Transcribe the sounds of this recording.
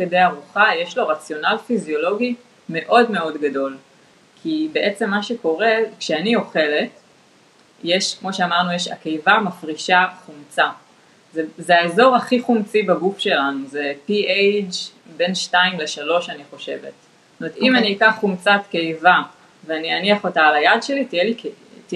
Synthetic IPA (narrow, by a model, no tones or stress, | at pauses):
kedejaʁuχajeʃlo̞ʁat͡sjo̞nalfizjo̞lo̞ɡi | me̞ʔo̞dme̞o̞dɡado̞l | kʰibe̞ʔe̞t͡se̞mːaʃeko̞ʁe̞kʃeanio̞χe̞le̞t | jeʃkmo̞ʃeamaʁnujeʃa̰kejvamafʁiʃaχumt͡sa | zezeaezo̞ʁaχiχumt͡sibaɡufʃe̞lanuzepiejd͡ʒ | be̞nʃtaimle̞ʃalo̞ʃaniχo̞ʃe̞ve̞̰t | tomet̪imaniːkaχumt͡satkejva | veanianiaχo̞taːlajadʃe̞litijelik | t